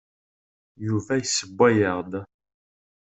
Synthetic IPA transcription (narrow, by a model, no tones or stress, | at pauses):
juvæjsəbːæjəʁd̪